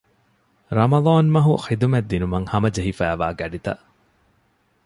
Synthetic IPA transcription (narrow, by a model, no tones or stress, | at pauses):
ɾɐmɐðˤɑːnmɐɦuxid̪umed̪ːinumɐŋhɐmɐd͡ʒeɦifæːʋa̰ːɡɐɖit̪ɐ̰ʔ